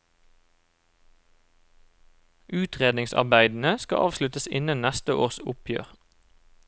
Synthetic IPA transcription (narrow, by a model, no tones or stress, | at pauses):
ʔʉːt̪ʰʁeːd̪nɪŋsɑ̰ʁbæɪd̪n̩əskɑ̰ʔɑːʋslʉt̪əsɪnənnɛst̪əʔoːʁsʊpʰjø̰ːʁ